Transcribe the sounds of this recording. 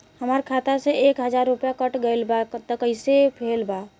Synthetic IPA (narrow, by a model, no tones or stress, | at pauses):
həməɾkʰat̪asẽekɦəd͡ʒaɾːupjakəʈɡəjlbakt̪əkəɪsepʰelba